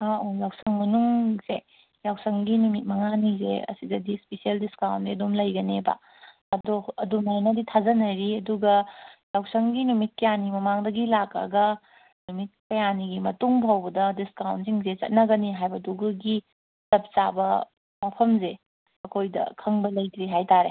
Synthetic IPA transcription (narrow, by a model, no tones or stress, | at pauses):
aojawsɐŋmɐnuŋze | jawsɐŋɡinumit̚mɐŋanizḛɐ̰sidɐdispesieldiskawndiɐdomlɐjɡɐneba̰ | ɐdoɐdunajnɐditʰazɐnajɾiɐduɡɐjawsɐŋɡinumit̚kɐjanimɐmaŋdɐɡilakɐ̰ɡɐ | numit̚kɐjaniɡimɐtuŋbʱawbɐdɐdiskawnziŋzet͡ʃɐ̰t̚nɐɡɐniɦajbɐduɡɐɡi | tɐp̚sabɐ̰ | mapʰɐmze | ɐkʰojdɐ̰kʰɐŋbɐlɐjtɾiɦajtaɾe